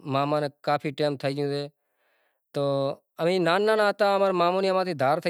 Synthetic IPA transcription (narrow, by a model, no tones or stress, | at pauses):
maːmãːneːkaːpʰiːʈeːmt̪ʰəiːd͡ʒjũːseː | t̪oː | əmĩːnaːnːãːnãːt̪ãːəmaːɾmãːmõːnĩːəmãːt̪iːd̪ʱaːɾt̪ʰə